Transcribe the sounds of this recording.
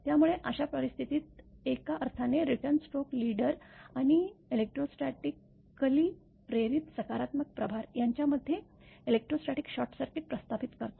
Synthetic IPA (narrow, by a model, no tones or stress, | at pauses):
t̪jamuɭeʔəɕapəɾist̪ʰit̪iːt̪̚ekaʔəɾt̪ʰaneɾiʈəɾnsʈokliɽəɾaɽ̃ielek̚ʈɾosʈɾaʈikː | əliː | ɾeɾiːt̪səkaɾat̪mək̚pɾəbʱaɾjaɲt͡ɕjaməd̪ʱːje | elek̚ʈɾosʈɾaʈikɕɔʈsaʈiːpɾəst̪aʋit̪kəɾt̪o